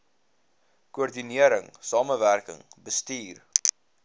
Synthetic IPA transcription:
kuɔrdiniəɾəŋsɑːməværkə̰ŋbəstiːr

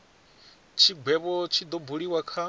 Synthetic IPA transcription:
t͡ʃʰiɡwɛβɔt͡ʃʰid̪ɔbuɺiwakʰa

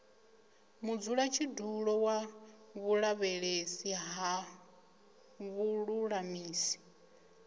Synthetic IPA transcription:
mud͡zuɺat͡ʃʰiduɺɔwaβuɺaβɛɺesiɦa | βuɺuɺamiːsi̥

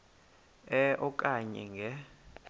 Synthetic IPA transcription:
ɛʔɔkʼaɲɛ̰ŋɡʱɛ

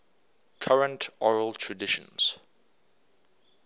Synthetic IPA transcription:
kʰaɹə̃ntʰɔɹəlˠtʰɹədɪʃə̰̃nz̥

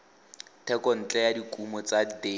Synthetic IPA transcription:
tʰɛkɔn̩t͡ɬʼɛjadikʼumɔt͡sade

